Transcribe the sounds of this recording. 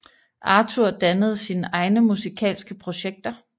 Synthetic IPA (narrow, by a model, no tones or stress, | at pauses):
ʔɑ̈t͡sʰuɐ̰d̥ænəð̞̩ˠsinəʔɑ̈ɪnəmusikʰɛ̰ːlsɡ̥əpʰʁo̝ɕeɡ̥̚d̥ɐ